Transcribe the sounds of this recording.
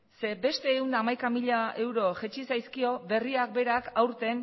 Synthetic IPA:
se̞be̞st̪e̞ːund̪aːmajkamiʎae̞wɾo̞ʝet͡ʃisajskio̞be̞riak̚be̞ɾakawɾt̪e̞n

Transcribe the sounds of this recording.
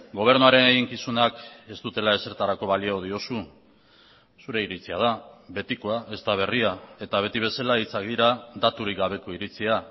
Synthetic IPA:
ɡo̞β̞e̞ɾnuaɾe̞neɣiŋkisunake̞st̪ut̪e̞lae̞se̞ɾt̪aɾako̞βaliooðio̞su | suɾe̞iɾit͡siað̞aβe̞t̪ikoaʔe̞st̪aβ̞e̞riae̞t̪aβ̞e̞t̪iβ̞e̞salait͡sak̚d̪iɾad̪at̪uɾik̚ɡaβ̞e̞ko̞iɾit͡sia

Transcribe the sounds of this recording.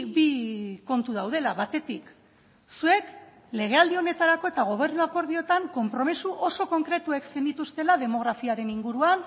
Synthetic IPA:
βiko̞nt̪uð̞awð̞e̞laβat̪e̞t̪ik | sue̞k | le̞ɣ̞e̞ald̪io̞ne̞t̪aɾako̞e̞t̪aɣ̞o̞β̞e̞ɾnuako̞ɾð̞io̞t̪aŋko̞mpɾo̞misuʔo̞so̞ko̞ŋkɾe̞t̪ueksend̪it̪ust̪e̞lað̞e̞mo̞ɣɾafiaɾe̞niŋɡuɾuan

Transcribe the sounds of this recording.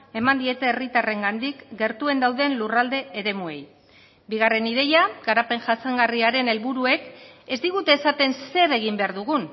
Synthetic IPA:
e̞mand̪ie̞t̪e̞ːrit̪are̞ŋɡand̪ikɡe̞ɾt̪ue̞nd̪awðe̞nlurald̪e̞eɾe̞mue̞̰j | biɣ̞are̞nið̞e̞jaɡaɾape̞ŋʝasaŋɡariaɾe̞ne̞lβuɾue̞ke̞zd̪iɣut̪e̞ːsat̪e̞nse̞ɾe̞ɣ̞imbe̞aɾðuɣun

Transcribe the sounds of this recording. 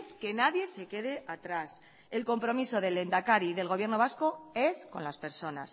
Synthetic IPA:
ke̞naðje̞se̞ke̞ð̞e̞ʔat̪ɾas | e̞lko̞mpɾo̞miso̞ðe̞le̞nd̪akaɾiðe̞lɣo̞βje̞ɾno̞β̞asko̞e̞sko̞̰nlaspe̞ɾso̞na̰s

